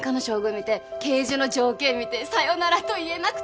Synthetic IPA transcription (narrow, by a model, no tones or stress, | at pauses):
kanoɕo̞ːɡɯ̟mʲit̪e̞ke̞ːʑɨno̞d͡ʑo̞ːkẽ̞mʲit̪e̞sajonaɾat̪o̞ie̞nakɯ̟̥